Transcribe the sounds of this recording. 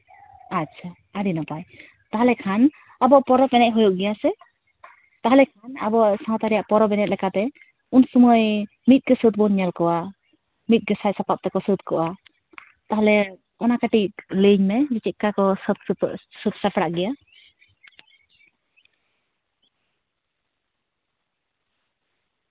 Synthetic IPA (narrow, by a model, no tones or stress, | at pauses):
atːt͡ʃʰa | aɾinɔpaj | t̪aɦalɛkʰan | abɔʔpɔɾɔpɛnɛc̚ˀɦɔjuʔɡɛjasɛ | t̪aɦalɛkʰanabɔʔsaɦɔt̪aɾijaʔpɔɾɔpɛnɛt̪̚lɛkat̪ɛ | unsumɔj | mit̪̚ɡəsət̪̚bɔnɲɛlkɔwa | mit̪̚ɡəsajsapap̚t̪ɛkɔsəd̪kɔʔa | t̪aɦlɛ | ɔnakaʈiləɲmɛd͡ʒit͡ʃit̪̚kakɔst̪sət̪̚sapɽaʔɡɛja